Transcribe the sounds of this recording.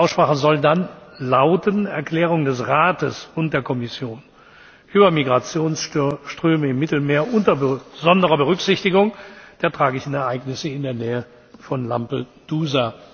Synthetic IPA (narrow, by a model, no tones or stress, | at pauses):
ʔaʊsʃpʁ̥aːχəzɔldanlaʊtənɛɐkl̥ɛːʁ̞ʊŋdɛsʁaːtəsʊntd̥eːɐkʰɔmɪsjoːn | ʔyːbɐmiɡʁat͡sjoːnsʃtʁ̥øːməɪmːɪtl̩meːɐʔʊntɐbəzɔndəʁɐbəʁʏkz̥ɪçtɪɡʊŋd̥eːɐtʁ̥aːɡɪçn̩ɛɐʔaɪknɪsəɪndeːɐnɛːə | fɔnla̰mpəd̥uːza